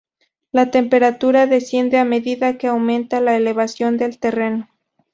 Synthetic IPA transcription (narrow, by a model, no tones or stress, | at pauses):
lat̪e̞mpe̞ɾat̪uɾaðe̞sje̞nd̪e̞ame̞ðiðake̞awmẽ̞nt̪alaele̞βasjo̞nd̪e̞lt̪e̞re̞no̞